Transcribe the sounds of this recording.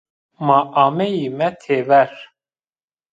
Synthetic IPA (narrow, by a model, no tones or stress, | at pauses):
maʔamɛjimɛt̪ʰeːvɛɾ